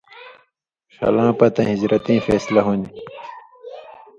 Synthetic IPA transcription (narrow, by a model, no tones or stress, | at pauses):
xɐ̰lãːpɐt̪ɐ̃ɦizɾɐt̪ĩːfeːslɐɦoni